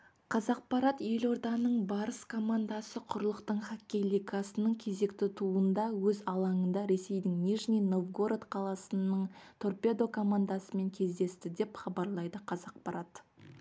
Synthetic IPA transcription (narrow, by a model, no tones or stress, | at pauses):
qʰɑzɑq̚pɑɾɑt̪je̞lo̞ɾd̪ɑnəɴbɑɾəskʰo̞mand̪asəqʰʊɾlˠəqt̪əɴχakʲːelʲijkasənəɴkʲʰe̞ze̞kt̪ɪt̪ʰuənd̪ɑwɵzɑlˠɑɴənd̪ɑɾe̞se̞jd̪ɪŋnʲiʒnijno̞vɡoɾat̪qʰɑlˠɑsənəɴt̪ʰo̞rpe̞d̪o̞kʰo̞mand̪asəme̞ŋkʲʰe̞zd̪e̞st̪ɪd̪e̞pχɑbɑɾlˠɑjd̪əqʰɑzɑq̚pɑɾat̪